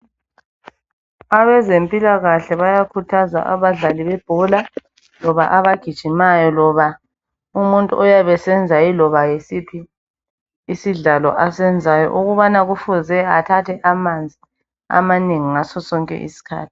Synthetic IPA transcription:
aβɛzempʼilaɣaɬɛβajakʰutʰaza̰ʔa̰βaɮaliβɛb̥ʱɔla | lɔβa̰ʔaβaɡ̥ʱid̥ʒ̥ʱinajɔlɔβa | umuntʼṵɔjaβɛsɛnd͡zʱailɔβajesipʰiː | siɮalɔ̰ʔasɛnd͡zʱajɔ̰ʔuɣuβanaɣufuzɛatʰatʰɛʔamand͡zʱi | a̰maneŋiŋasɔsɔŋkʼɛ̰ʔḭsi̥kʰa̰ːtʰi̥

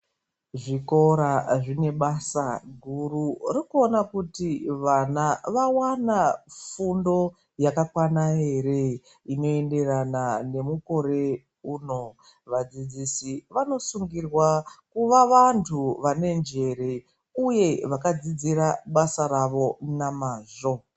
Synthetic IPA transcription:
ʐiko̞ɾaʐine̞ɓasaɡʱururikuonakutiʋanaʋawanafundo̞ | jakakwanaɦe̞re̞ | ino̞e̞nde̞ranane̞muko̞ɾe̞ | uːno̞ | ʋad͡zid͡zisiʋano̞suŋɡirwakuʋaʋantʰuʋane̞nd͡ʒe̞ɾe̞ | uje̞ʋakad͡zid͡ziraɓasaɾaʋo̞namaːʐo̞

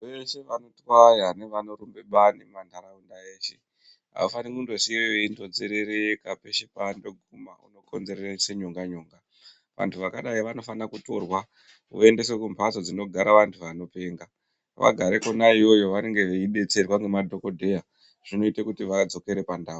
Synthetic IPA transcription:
ʋe̞ʃe̞ʋanotwajaneʋanoɾumbe̞ɓanimandʱaɾaundaeːʃe̞ | a̰ufanikundo̞sieʋeindo̞d͡zeɾe̞ɾekape̞ʃepando̞ɡʱuma̰ṵno̞ko̞̰nze̞ɾereseɲoŋɡaɲoːŋɡa | ʋa̰ntʰuʋakaɗaiʋano̞fanakuto̞̰rwa | o̰e̞nde̞s̬ekumpat͡sod͡zino̞ɡʱaɾaʋantʰuʋano̞pe̞ːŋɡa | ʋa̰ɡʱaɾeko̞naiwo̞jo̞ʋane̞ŋɡe̞ʋeiɓe̞t͡se̞rwaŋɡemadʱo̞ko̞dʱe̞ja | ʐ̥ino̞itekutiʋad͡zo̞ke̞ɾe̞pandaːu

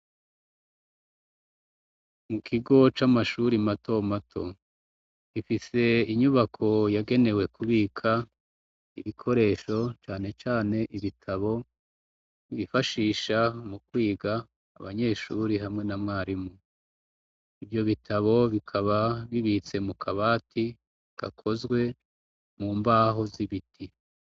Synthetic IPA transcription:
mukʰiɡo̞t͡ʃamaʃuɾimato̞matʰo̞̰ | ɡifise̞iɲuβakʰo̞jaɡe̞ne̞we̞kuβiːkʰa | iβikʰo̞ɾe̞ːʃo̞t͡ʃaːne̞t͡ʃaːne̞ʔiβitʰaβo̞ | iβifaʃiːʃamukwiːɡa̰ː | βa̰ɲe̞ːʃuɾiɦamŋe̞namŋaːɾimu | ivjo̞βitʰaβo̞βikʰaβaβiβit͡se̞mukʰaβaːtʰi | ɡ̥a̰kʰo̞zɡwe̞ | muːmbaːɦo̞ziβitʰi

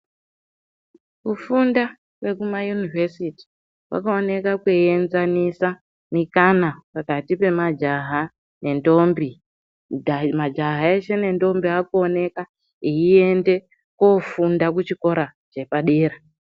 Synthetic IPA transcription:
kufunda | we̞kumajunivesiti̥ | wa̰kaone̞kakweenzanisa | nikanapakatipe̞mad͡ʒaɦa | ne̞ndo̞mbi | mad͡ʒaɦae̞ʃe̞ne̞ndo̞mbiakone̞ka | iie̞nde̞ | kofundak̬ut͡ʃiko̞ɾat͡ʃe̞paɗeːɾa

